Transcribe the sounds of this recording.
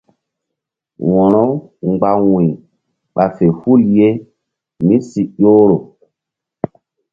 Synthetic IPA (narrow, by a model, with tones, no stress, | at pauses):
wɔ̃˨nɔ˦ɡ͡ba˨wũ˨j | ɓa˨fe˨hu˦lje˦ | mĩ˦si˨jo˦ɾo˨